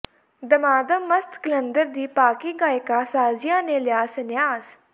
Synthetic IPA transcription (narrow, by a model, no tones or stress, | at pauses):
d̪əmaːd̪əmmːəst̪kələnd̪əɾd̪iːpaːkiːɡaːjkaːsaːzɪjãːneːlɪjaːsənjaːz